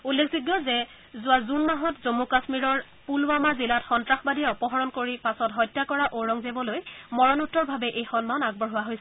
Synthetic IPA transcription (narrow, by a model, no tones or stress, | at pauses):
ulːekʰziɡjɔzɛ | zʊazunmaɦɔtzomukasmiɹɔɹ | pulwamazilatxɔntɹaxbadijɛɔpɔɦɔɹɔnkoɹipasɔtɦɔjtːakɔɹaʔoɹɔŋzebɔlojmɔɹɔnutːɔɹbʱabɛʔejxɔnmanaɡ̚bɔɹɦʊwaɦojsɛ